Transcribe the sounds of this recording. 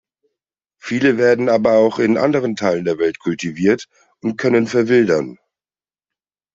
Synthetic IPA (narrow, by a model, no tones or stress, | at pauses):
fiːləveːɐdn̩aːbɐaʊxɪnʔa̰ndəʁ̞əntʰaɪləndeːɐvɛltkʰʊltiviːɐt | ʊntkʰœnənfɛɐvɪldɐn